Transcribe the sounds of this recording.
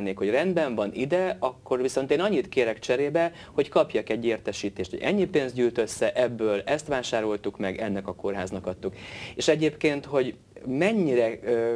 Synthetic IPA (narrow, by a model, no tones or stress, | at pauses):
nːeːkho̞ɟrɛnd̪bɛɱvɒnid̪ɛɒkːo̞rʋiso̞nt̪eːnɒɲːit̪keːɾɛkt͡ʃɛɾeːbɛ | ho̞ckɒpjɒkɛɟːeːrt̪ɛʃiːt̪eːʃt̪ho̰ɟʔɛ̰ɲːipeːnzd̪ɟyːlt̪ø̞sːɛʔɛbːøːlɛst̪ʋaːʃaːɾo̞lt̪ukmɛɡɛnːɛkɒko̞rɦaːznɒkɒt̪ːukeːʃɛɟeːpkeːnt̪ho̞ɟ | mɛɲːiɾɛ